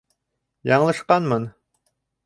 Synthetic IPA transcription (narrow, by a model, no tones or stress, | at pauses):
jɑɴlˠɤ̆ʃqɑnmɤn